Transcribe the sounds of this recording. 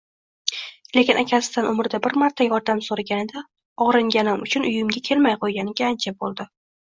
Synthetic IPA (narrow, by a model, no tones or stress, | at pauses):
le̞kʲɪnakʲʰasɪ̥d̪anʔʊmɾɪd̪abɪɾmaɾt̪ʰːajɒɾd̪amsoɾaɡʲanɪd̪a | ɒʁɾɪŋɡʲanɪmʊt͡ʃʰʊnʊjʊmɡʲakʲʰe̞lmajqʰojɡʲanɪɡʲaant͡ʃʰabolˠd̪ɪ